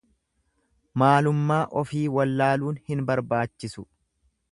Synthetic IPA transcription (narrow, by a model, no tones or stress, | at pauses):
maːlʊmːaːʔɔfiːwɐlːaːluːnhɪnbɐɾbaːt͡ʃːɪsʊ